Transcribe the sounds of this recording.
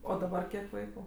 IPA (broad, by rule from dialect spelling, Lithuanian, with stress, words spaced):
oː dɐˈbɐr ˈkʲiɛk ˈʋɐɪkʊ